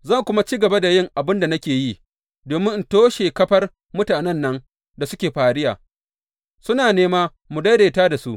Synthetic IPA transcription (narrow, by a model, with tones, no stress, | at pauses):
zɐ˦ŋkʷʊ˦ma˦t͡ʃiː˦ɡɐ˨ba˦da˨jɪ˦˨ŋʔa˨bɪ˦nda˨nɐ˦kʲeː˨ji˦ | doː˨mɪ˦ŋn̩˨toː˦ʃe˨kɐ˦ɸɐ˦r | mʊ˦taː˨nɛ˦nːɐ˦ŋ | da˨sʊ˦kʲeː˨ɸaː˨ɽɪ˦jaː˨ | sʊ˦naː˨neː˦maː˦ | mʊ˨da˦ɽeː˨taː˦da˨su˦ʔ